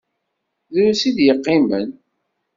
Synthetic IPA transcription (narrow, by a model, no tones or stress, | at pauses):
ðʊɾsid̪jəqːimən